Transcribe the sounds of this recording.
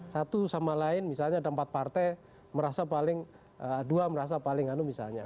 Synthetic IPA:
sat̪usamalaɪnmisalɲadaəmpat̪̚part̪aj | məɾasapalɪŋ | əduaməɾas̬apalɪŋanumisa̰lɲa

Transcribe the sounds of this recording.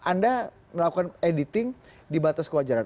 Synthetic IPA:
ʔanda | məlakukanedit̪ɪŋ | dibat̪askəwad͡ʒaɾan

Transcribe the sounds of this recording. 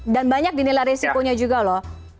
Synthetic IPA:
danbaɲak̚dinilajɾesikoɲad͡ʒuɡalɔh

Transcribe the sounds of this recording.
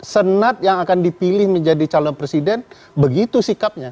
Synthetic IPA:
sənat̪̚jaŋakandipilɪhməɲd͡ʒadit͡ʃalɔnpɾesidɛn | bəɡit̪usikap̚ɲa

